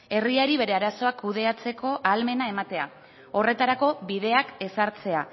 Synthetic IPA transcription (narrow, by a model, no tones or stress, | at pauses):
e̞riaɾiβe̞ɾe̞aɾaso̞akːuð̞e̞at͡se̞ko̞ʔalme̞nae̞mat̪e̞a̰ | o̞re̞t̪aɾako̞βiðe̞ake̞saɾt͡se̞a